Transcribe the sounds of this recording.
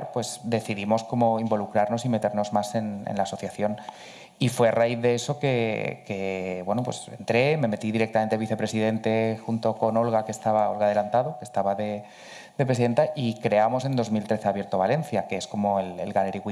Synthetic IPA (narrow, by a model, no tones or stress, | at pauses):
ɾpwe̞zd̪e̞θiðimo̞sko̞mo̞imbo̞lukɾaɾno̞sime̞t̪e̞ɾno̞zmase̞nḛnlaːso̞θjaθjo̞n | ifwearaiθðe̞e̞so̞ke̞ke̞βwe̞nopwesent̪ɾe̞me̞me̞t̪iðiɾe̞kt̪ame̞nt̪eβ̞iθe̞pɾe̞sið̞e̞nt̪e̞xunt̪o̞ko̞no̞lɣakest̪aβao̞lɣað̞e̞lant̪að̞oke̞st̪aβaðe̞ | d̪epɾes̬iðe̞nt̪aʔikɾe̞amo̞se̞nd̪o̞zmilt̪ɾe̞θeaβje̞ɾt̪o̞βale̞n̟θjakeesko̞mo̞elḛlɣaleɾiɣwi